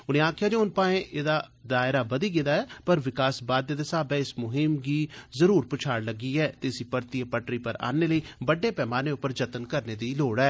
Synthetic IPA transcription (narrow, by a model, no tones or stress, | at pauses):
ʊnẽːaːkʰjaːd͡ʒeʊnpaːẽːʔeːd̪aːd̪aːɪɾaːbəd̪iːɡed̪aːɛːpəɾʋɪkaːsbaːd̪̚ːeːd̪eːsaːbɛːɪsmʊɦɪmɡiːzəɾuːɾpʊt͡ʃʰaːɾləɡiːɛːt̪eɪsiːpəɾt̪iːepəʈɾiːpəɾa̰ːneːləiːbəɖːeːpɛːmaːneːʊpːəɾd͡ʒət̪ənkəɾneːd̪iːloːɽɛː